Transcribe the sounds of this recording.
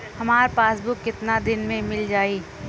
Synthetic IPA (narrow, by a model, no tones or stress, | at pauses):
hɐmaːɾpaːsbʱukːɪt̪nad̪ɪnmẽmɪld͡ʒaːiː